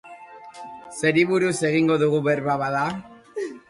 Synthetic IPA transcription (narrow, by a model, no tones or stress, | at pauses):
se̞ɾiβuɾuse̞ɣiŋɡo̞ðuɣuβe̞ɾβaβaða